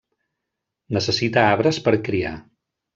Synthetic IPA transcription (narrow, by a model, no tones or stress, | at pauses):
nəsəsit̪aaβɾəspəɾkɾia̰